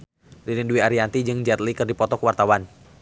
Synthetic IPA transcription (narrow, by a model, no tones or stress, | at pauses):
rinɛnduiaɾiant̪id͡ʒɨŋd͡ʒat̪̚likɨrdipɔt̪ɔkwart̪awan